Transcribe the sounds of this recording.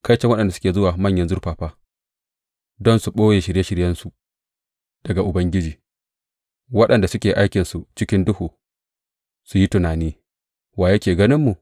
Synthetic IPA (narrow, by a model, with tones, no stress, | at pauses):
ka˦jt͡ʃɛ˦ŋwɐ˦ɗɐ˨ndsʊ̥˦kʲeː˨zʊ˦waː˨mɐ˦ɲjɐ˦nzʊ˦rɸaː˨ɸaː˦ | dɔ˦nsu˨ɓoː˦jeː˨ʃɪ˨ɽje˦ʃɪ˨ɽjɐ˦nsu˨ | d̥ɐ˨ɡa˨ʔʊ˨bɐ˦ŋɡʲɪ˦d͡ʒiː˨ | wɐ˦ɗɐ˨nda˨sʊ˦kʲeː˨ʔa˦jkʲɪ˨nsu˨t͡ʃɪ˦kʲɪ˦ndʊ˦huː˨ | su˨ji˦tʊ˨naː˨niː˦ | waː˨jɐ˦kʲeː˨ɡɐ˦nɪ˦mːu˨